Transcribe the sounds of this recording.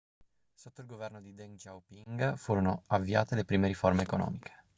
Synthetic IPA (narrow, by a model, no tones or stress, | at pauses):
sot̪ːoilɡovɛrnod̪id̪ɛnd͡ʒawpiŋɡfuːɾonoavːiaːt̪elepɾiːmeɾiformeːkonɔ̰ːmikʰe̥